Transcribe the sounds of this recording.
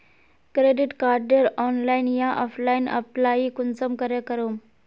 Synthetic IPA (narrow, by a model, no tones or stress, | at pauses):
kɾeɖiʈkaɾɖəɾɔnlajnjaʔɔfʰlainə̰plaikunsəmkəɾekəɾom